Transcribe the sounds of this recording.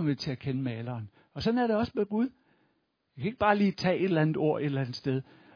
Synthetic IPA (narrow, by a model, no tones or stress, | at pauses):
mʋet͡sʰe̝ækʰenəmɛːlɐːn | ɒ̽sɒ̽næɐɾe̝ɒ̽smeɡ̥uð̞ˠ | jakʰæe̝ɡ̥̚b̥ɑ̈ːliːt͡sʰɛ̰ːʔe̝d̥lænð̩ˠo̝ɐ̰e̝d̥lænð̩ˠsd̥eð̞ˠ